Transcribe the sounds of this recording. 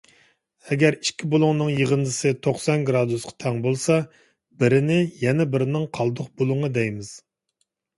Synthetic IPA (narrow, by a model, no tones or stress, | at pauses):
ɛɡʲɛɾi̥ʃkʲibolˠʊŋnɨŋjəʁənd̪ɨsɨt̪ʰoχsɑnɡɾɑd̪usqʰɑ̥t̪ʰɛŋbolˠsɑ | b̥ɪɾɪnɪjɛnɛbɪɾɪnɪŋqʰɑlˠd̪ʊχbolˠʊŋɑd̪ɛjmɪz̥